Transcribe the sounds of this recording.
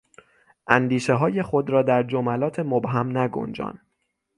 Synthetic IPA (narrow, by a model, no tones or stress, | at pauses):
ʔænd̪iːʃeɦɒːje̞xod̪ɾɒːd̪æɾd͡ʒomælɒːt̪ʰe̞mobɦæmnæɡo̰nd͡ʒɒ̰ːn